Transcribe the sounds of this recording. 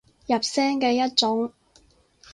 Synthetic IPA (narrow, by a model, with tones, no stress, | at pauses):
jɐ˨˩p̚sɛː˥ŋkɛː˧jɐ˥t̚t͡ʃʊ˨˥ŋ